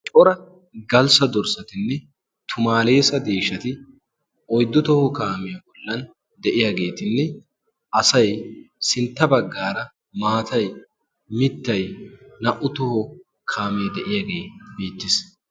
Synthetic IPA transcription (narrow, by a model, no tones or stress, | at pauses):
t͡ʃʼɔɾɐ | ɡɐlsɐd̪ɔɾsɐt̪ɪnːɛ | t̪ʰʊmaːle̞ːsɐd̪eːʃɐt̪ɪ | ʔɔjd̪ːɔt̪ɔhɔkaːmɛjɐbɔlːɐn | d̪ɛʔɪjaːɡe̞ːt̪ɪnːɛ | ʔɐsɐjsɪnt̪ːɐbɐɡːaːɾɐ | maːt̪ɐj | mɪt̪ːɐjnɐʔʊt̪ɔhɔ | kʰaːmed̪ɛʔɪjaːɡeːbiːt̪ːɪs